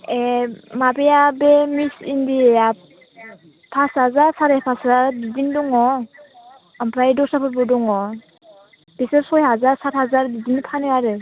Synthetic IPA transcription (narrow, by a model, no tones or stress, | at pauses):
emabejabemisindieja | pʰashazaɾsaɾepʰaszaɾbizindɔŋɔ | ampʰɾajdɔsapʰɯɾbɔdɔŋɔ | b̥isɯɾsɔjɦazaɾsat̚hazaɾbizinipʰanɯaɾɯ